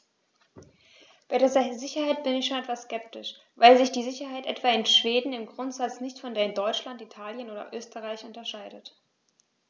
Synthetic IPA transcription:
b̥aɪɾizzɪçɐhaɪt̚b̥ɪnɪçʃoːnʔɛtv̥askɛp̚tɪʃ | vaɪlzɪçd̥iːzɪçɐɦaɪtʔɛ̰tv̥aːɪnʃv̥eːdn̩ɪmɡʁʊntz̥at͡snɪçtfɔndeːɐɪndɔʏt͡ʃlantitʰaːljənoːdɐ̰ʔøːstəʁaɪçʔʊntɐʃaɪdət

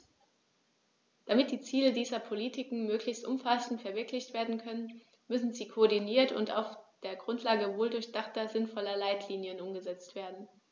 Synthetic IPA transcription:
d̥amɪt̚d̥iːt͡siːlədiːzɐpʰoliːtʰɪkŋ̩møːklɪçstʔʊmfasn̩tfɛɐvɪɐklɪçtv̥eːɐdn̩kʰœnən | mʏsn̩ziːkʰoːɐdiniːɐtʰʊ̰nta̰ʊfd̥eːɐɡʁʊntʰlaːɡəvoːldʊɐçd̥aχtɐzɪnfɔlɐlaɪtʰliːnjənʊmɡəzɛt͡stv̥eːɐdn̩

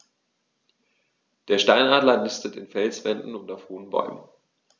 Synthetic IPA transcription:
d̥eːɐʃtaɪnaːdlɐnɪstətɪnfɛlsv̥ɛndn̩ʊntaʊfhoːənbɔ̰ʏmə̰n

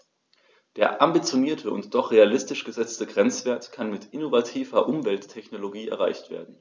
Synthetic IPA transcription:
d̥eːɐʔambit͡sjoniːɐtʰəʊ̰ntd̥ɔχʁ̥ealɪstɪʃɡ̥əzɛt͡stəɡʁɛnt͡sv̥eːɐtkʰanmɪtʔɪnovatʰiːvɐʔʊmvɛltʰːɛçnoloɡiːɛ̰ɐʁa̰ɪçtv̥ḛːɐdn̩

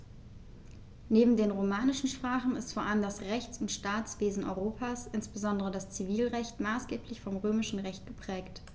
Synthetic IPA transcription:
neːbm̩deːnʁomaːnɪʃn̩ʃpʁ̥aːχn̩ɪstfoːɐʔaləmdasʁɛçt͡sʊntʃtaːt͡sv̥eːzn̩ʔɔ̰ʏʁoːpʰaːsʔɪnsb̥əzɔndəʁədast͡siviːlʁɛçtmaːsɡ̥eːplɪçfɔmʁøːmɪʃn̩ʁɛçt̚ɡ̥əpʁ̥ɛːkt

